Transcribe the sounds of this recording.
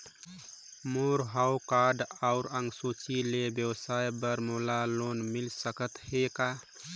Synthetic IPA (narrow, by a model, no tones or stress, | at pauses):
moɾɦaʊkaɾɖaʊɾəŋɡsot͡ʃilebjəwsajbəɾmolalonmilsəkət̪heka